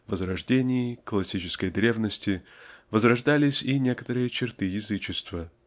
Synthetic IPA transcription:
vəzɾɐʐdʲenʲɪɪklˠɐsʲit͡ɕɪ̥skəjd̪ɾʲe̞vnəsʲtʲɪvəzrɐʐd̪alʲɪsʲinʲe̞kə̥t̪əɾɨjət͡ɕɪrt̪ɨjɪzɨt͡ɕɪst̪və

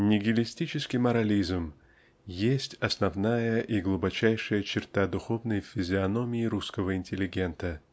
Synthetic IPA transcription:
nʲɪɡʲɪlʲɪsʲtʲit͡ɕɪskʲɪjmɐɾɐlʲizm | jesʲtʲɐsnɐvnajəʔiɡlˠʊbɐt͡ɕæjʂɨjət͡ɕɪrt̪ad̪ʊxo̞vnəjfʲɪzʲɪɐno̞mʲɪɪɾuskəvəɪnʲtʲɪlʲɪɡʲe̞nt̪ə

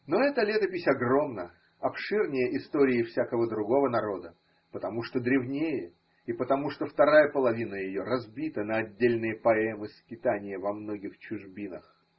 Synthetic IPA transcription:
no̞ɛt̪əlʲet̪əpʲɪsʲɐɡro̞mnə | ɐpʂɨrnʲɪjəʔɪst̪oɾʲɪːfsʲakəvəd̪ɾʊɡo̞vənɐɾo̞d̪ə | pət̪ɐmuʂt̪od̪ɾʲɪvnʲejə | ipət̪ɐmuʂt̪oft̪ɐɾajəpəlˠɐvʲinəjɪjo̞ɾɐzbʲit̪ənəɐdʲːelʲnɨjəpɐɛmɨskʲɪt̪anʲɪjəvɐmno̞ɡʲɪxt͡ɕʊʐbʲinəx

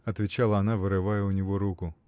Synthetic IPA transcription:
ɐt̪ʲʋʲit͡ʃɑlˠɐɐnɑʋɪɾɪʋɑjɛʊnʲɔɦɔɾukʊ

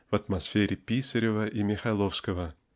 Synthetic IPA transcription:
vɐt̪mɐsfʲeɾʲɪpʲisʲəɾʲɪvəʔimʲɪxɐlˠofskəvə

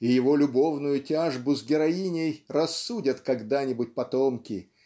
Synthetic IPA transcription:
ɪjɪvo̞lʲʊbo̞vnʊjʊtʲaʐbʊzɡʲɪɾɐinʲejrɐsːudʲət̪kɐɡd̪anʲɪbʊt̚ʲpɐt̪omkʲɪ

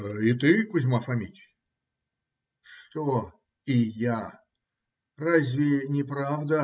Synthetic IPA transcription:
ɪt̪ɨkʊzʲmafɐmʲitʲ | ʂt̪o | ɪja | razʲvʲɪnʲɪpɾavd̪ə

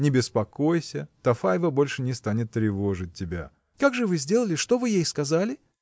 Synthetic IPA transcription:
nʲɪbʲɪspɐko̞jsʲət̪ɐfajvəbo̞lʲʂɨnʲɪst̪anʲɪt̪ːɾʲɪvo̞ʐɨt̚ʲːɪbʲa̰ | kaɡʐɨvɨzʲdʲe̞lˠəlʲɪʂt̪o̞vɨjejskɐzalʲɪ

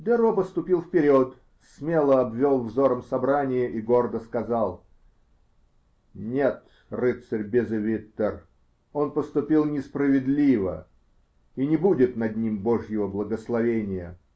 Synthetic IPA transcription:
d̪ɛɾopəst̪ʊpʲilˠfpʲɪɾʲot̪ | smʲelˠəɐbvʲolˠvzo̞ɾəmsɐbɾanʲɪjəʔiɡo̞rd̪əskɐzɑlˠ | nʲet̪ | rɨt̪sərʲbʲɪzɨvʲit̪ːər | o̞npəst̪ʊpʲilˠnʲɪspɾəvʲɪd̪lʲivə̰ | inʲɪbudʲɪt̪nɐd̪ʲnʲimboʐjɪvəblˠəɡəslˠɐvʲenʲɪjə̰

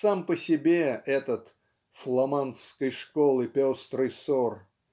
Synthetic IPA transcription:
sampəsʲɪbʲeɛt̪ət̪ | flˠɐmanskəjʂkolˠɨpʲost̪ɾɨsor

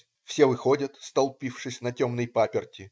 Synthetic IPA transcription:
fsʲevɨxodʲɐt̪st̪ɐlˠpʲifʂɨsʲnɐtʲo̞mnɨjpapʲɪrtʲɪ

